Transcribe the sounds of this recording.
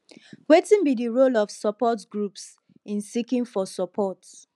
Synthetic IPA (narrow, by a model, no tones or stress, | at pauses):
wetĩnbidiɹolɔvsəpɔtɡɹups | ĩnsikĩŋfɔsɔpʰɔt